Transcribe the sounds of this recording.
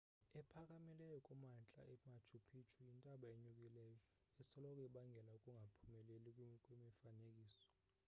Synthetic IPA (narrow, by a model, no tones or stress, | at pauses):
ɛpʰak̬ʼamilɛjɔkʼumant͡ɬʼa̰ɛmat͡ʃʰupʰit͡ʃʰujintʼaɓaeɲuk̬ʼilɛːjɔ | ɛsɔlɔkʼwiɓaŋɡʱɛlaukʼuŋɡʱapʰumɛlelik̬ʼkʼwimifanek̬ʼiːsɔ̥